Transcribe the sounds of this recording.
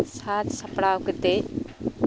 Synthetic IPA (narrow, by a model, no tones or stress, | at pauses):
saːt̪sɐpɽawkət̪e